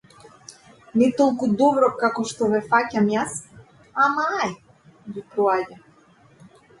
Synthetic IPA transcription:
nɛt̪olˠkud̪ɔbɾɔkakɔʃt̪ɔvɛfacamjas | amaaj | ɡipɾɔaɟa

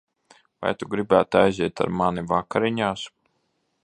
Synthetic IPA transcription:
va̰jt̪uɡɾibæːt̪ajziɛt̪a̰ɾmanivakaɾiɲaːs

